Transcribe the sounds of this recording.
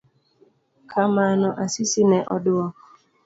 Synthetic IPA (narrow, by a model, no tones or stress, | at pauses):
kʰamanɔʔasisinɛʔɔdʊɔk